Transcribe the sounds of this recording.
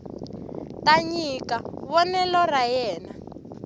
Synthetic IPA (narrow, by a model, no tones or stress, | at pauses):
taɲikaβɔnɛlɔrajɛːna